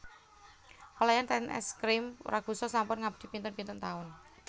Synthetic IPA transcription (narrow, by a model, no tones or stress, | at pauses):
ɔlajant̪ɛnɛ̰skɾɪm̰ɾaɡ̥ṳsɔsampʊnŋabd̪̥i̤pint̪ʊnpint̪ʊnt̪aʊn